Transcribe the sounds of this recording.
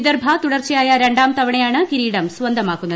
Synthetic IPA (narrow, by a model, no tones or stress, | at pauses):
d̪ɐɾbʱɐt̪uɽɐrt͡ɕɐjaːjɐɾeɳɖaːmt̪ɐʋɐɳɐjaːɳɨkiɾiːɽɐmsʋɐnd̪ʱɐmaːkunːɐ